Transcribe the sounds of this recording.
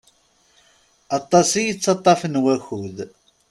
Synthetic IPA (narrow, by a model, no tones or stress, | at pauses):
ɑt̪ˤːɑsijit͡sːɑt̪ˤːɑfənwæçuð